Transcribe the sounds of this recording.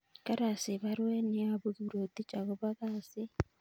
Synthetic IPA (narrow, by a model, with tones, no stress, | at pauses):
ka˦ɾa˨si˨βaɾwe˦niaβu˦ɣuɾo˨t̪i˦t͡ʃa˨ɣo˦βaɣaːsi